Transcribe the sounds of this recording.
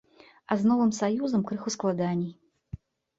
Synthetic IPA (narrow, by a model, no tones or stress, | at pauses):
aznɔvɨmsajuzɐmkɾɨxusklˠad̪anʲij